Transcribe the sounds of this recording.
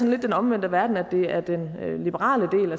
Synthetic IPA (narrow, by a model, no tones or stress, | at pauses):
ɒnle̝d̥ːenɒ̽mʋen̰d̥əʋæɐd̥n̩æd̥e̝æɐd̥enlib̥əʁɑ̰̈ːləd̥e̝̰ːlæ